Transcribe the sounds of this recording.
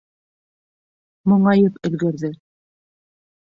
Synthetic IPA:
mŏɴɑjɤpɵ̆ðɡæɾðɘ

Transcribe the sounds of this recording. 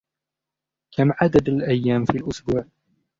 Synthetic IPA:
kʰamʕad̪ad̪alʔajːaːmfiːlʔʊsbuːʕ

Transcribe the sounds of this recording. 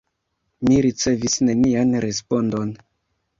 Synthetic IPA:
miɾit͡se̞visnenianɾe̞spo̞ndo̞n

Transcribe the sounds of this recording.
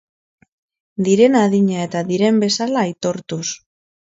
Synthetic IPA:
d̪iɾe̞naðiɲae̞t̪aðiɾe̞mbe̞salaːjt̪o̞ɾt̪us

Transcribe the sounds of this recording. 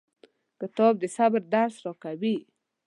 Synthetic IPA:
kət̪ɔb̚d̪əsabɾd̪aɾsɾɔkawi

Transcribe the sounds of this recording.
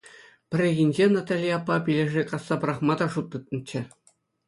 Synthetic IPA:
pʲɘ̆rʲeɣʲinʲd͡ʑenɑt̪ɑlʲijɑpːɑpʲilʲĕʐɘkɑsːɑpɤ̆ɾɑχmɑd̪ɑʂut̪ːɯt̪̚nɤ̆t͡ɕːɘ̆

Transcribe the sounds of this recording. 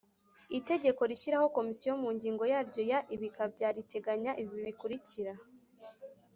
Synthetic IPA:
ite̞ɟe̞ko̞ɾiʃiɾaho̞ko̞misijomuɲɟiːŋɡo̞jaːɾɟo̞jaʔiβikabɟaːɾite̞ɡaɲaʔiβiiβikuɾiciɾa

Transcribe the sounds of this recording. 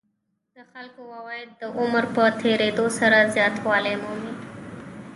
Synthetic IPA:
d̪̥əxalkowawɑjɪd̪̚ːəʔʊməɾpət̪ʰeɾed̪osaɾazjɑt̪wɑlemomi

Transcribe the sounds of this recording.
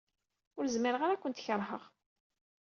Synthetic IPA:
ʊɾzməɾəʁaɾakʷːənt̪çəɾˤɦəʁ

